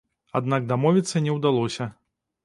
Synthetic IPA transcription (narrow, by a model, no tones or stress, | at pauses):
a̰d̪nak̚d̪amɔvʲit̪sːɐnʲɛwd̪alˠɔsʲɐ